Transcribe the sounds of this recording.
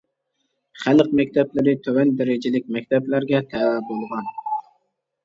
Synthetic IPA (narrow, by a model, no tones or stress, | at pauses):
χalˠqmak̚ʲt̪ʰablaɾɪt̪ʰɵvand̪aɾad͡ʒalɪk̚ʲmak̚ʲt̪ʰablaɾɡʲat̪ʰaabolˠʁɑn